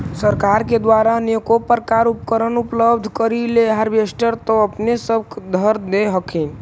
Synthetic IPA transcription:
səɾkaɾked̪waɾanokopəɾkaɾupkəɾənupləbd̪ʱkəɾileɦəɾbesʈəɾt̪ɔəpnesəbkd̪ʱəɾd̪eɦəkʰin

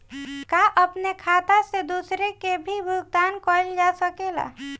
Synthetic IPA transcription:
kaʔəpnekʰat̪ased̪usɾekebʱibʱuɡ̚d̪ankɔld͡ʒasəkela̰

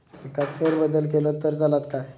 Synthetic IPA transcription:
kikat̪fʰeɾbəd̪əlkelot̪əɾd͡zʱalat̪kaj

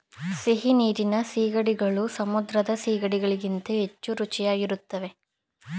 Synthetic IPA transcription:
seɦiniːɾinɐsiːɡɐɽiɡɐɭusɐmud̪ɾɐd̪ɐsiːɡɐɽiɡɐɭiɡint̪ɐɦet͡ʃːuɾut͡ʃijaːɡiɾut̪ːɐʋe̞

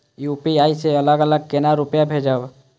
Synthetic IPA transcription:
juːpiaːiseələɡələɡ̚kenaɾʊpjabʱeːd͡ʒaːb

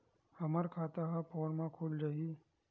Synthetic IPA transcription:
hɐməɾkʰaːt̪aɦapɔːɽmãkʰoːld͡ʒaːɦi

